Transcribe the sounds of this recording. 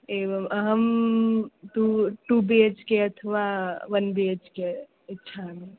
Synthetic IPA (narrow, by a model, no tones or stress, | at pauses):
eːʋəmɐɦəm | ʈuʈuːbeːd͡ʒkeɐt̪ʰəʋaʋɐnbeːd͡ʒke | ɪtːʃʰamẽ